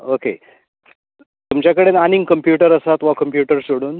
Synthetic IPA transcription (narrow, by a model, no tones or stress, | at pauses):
okḛ | t̪umt͡ɕjakəɽenaniŋɡkəmpjuʈəɾəsat̪ʋakəmpjuʈəɾsoɽuːn